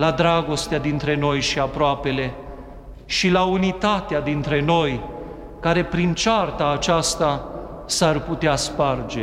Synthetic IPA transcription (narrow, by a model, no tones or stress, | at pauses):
lad̪ɾaɡo̞st̪ead̪int̪ɾe̞no̞jʃiapɾoape̞le̞ | ʃilaunit̪at̪ead̪int̪ɾe̞no̞j | kaɾe̞pɾint͡ʃart̪aːt͡ʃast̪a | sarput̪easpard͡ʒe